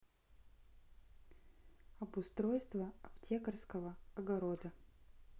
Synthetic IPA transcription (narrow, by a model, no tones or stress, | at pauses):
ɐbʊst̪ɾo̞jst̪vəɐptʲekərskəvəɐɡɐɾod̪ə